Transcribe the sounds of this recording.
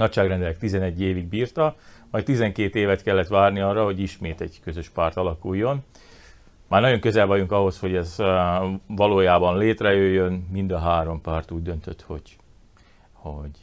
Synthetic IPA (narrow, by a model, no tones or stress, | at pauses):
nɒcʃaːɡrɛnd̪ɛlɛk̚t̪izɛnɛɟːeːviɡ̚biːrt̪ɒmɒjt̪izɛŋkeːt̪eːvɛt̪kɛlːɛt̪ʋaːrniɒːrːɒho̞ɟiʃmeːt̪ɛɟkø̞zø̞ʃpaːrt̪ɒlɒkujːo̞n | maːrnɒɟo̞ŋkø̞zɛlvɒjuŋkɒɦo̞sho̞ɟɛz | vɒloːjaːbɒnleːt̪rɛjøjːønmind̪ɒɦaːɾo̞mpaːrt̪uːɟd̪ø̞nt̪øt̪ho̞̰ɟ | hoɟ